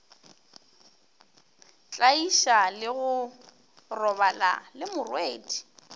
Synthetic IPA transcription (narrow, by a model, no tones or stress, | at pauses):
t͡ɬʼaiʃalɪɣʊ | rɔβala̰lɪmʊrweːdi̥